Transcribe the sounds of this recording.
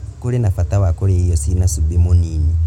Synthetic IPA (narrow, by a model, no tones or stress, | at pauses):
kulinafatawakulijosinasubimuniːni